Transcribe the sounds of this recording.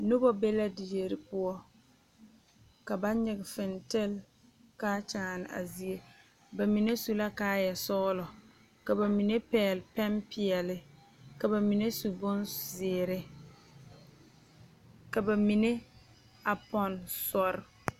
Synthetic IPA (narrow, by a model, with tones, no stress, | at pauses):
nʊ˦bɔ˦be˦la˦dɪ˨je˨ɾɪ˨pʊ˦ɔ˦ | ka˨ba˦ɲɪ˨ɡɪ˨fɪ˨ntɪ˦˨l | kaː˦t͡ʃaː˨nɪ˨a̰˨zi˨e˦ | ba˨mi˨ne˦su˨la˦kaː˦jɛ˨sɔ˦lɔ˨ | ka˨ba˨mi˨ne˦pɛː˨lpɛ˦mpɪ˨ɛ˨lɪ˦ | ka˨ba˨mi˨ne˦su˨bʊ˦nzɪː˨ɾɪ˦ | ka˨ba˨mi˨ne˦ | a˨pɔ˨nsɔ˨ɾɪ˨